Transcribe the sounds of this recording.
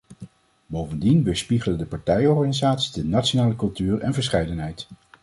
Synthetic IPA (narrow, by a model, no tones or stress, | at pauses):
bowvəndinʋəspiχələndəpɑɹtɛjɔɹχanizaːtsi̥dənatt͡ʃonaːləkɵlˠtyːrɛ̰nvəɹsχɛjdənɦɛjt